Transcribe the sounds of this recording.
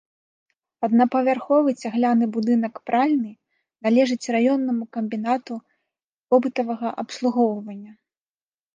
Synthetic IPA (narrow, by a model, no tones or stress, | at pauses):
ɐd̪nɐpɐvʲarxɔvɨt͡sʲaɣlʲanɨbud̪ɨn̪ɐkpɾʔalʲnɨ | nalʲɛʐɨt͡sʲrajɔnːɐmukɐmʲbʲinat̪u | vɔbɨt̪ɐvɐɣɐʔɐpslˠuɣɔwvɐnʲːɐ